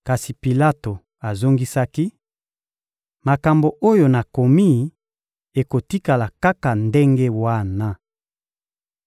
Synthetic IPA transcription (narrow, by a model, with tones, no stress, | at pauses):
ka˨si˨pi˨la˦to˨ | a˨zo˦ŋɡi˦sa˦ki˦ | ma˨ka˨mbo˨ʔo˦jo˨na˨ko˨mi˦ | e˨ko˨ti˦ka˨la˨ka˦ka˨nde˦ŋɡe˦wa˦na˦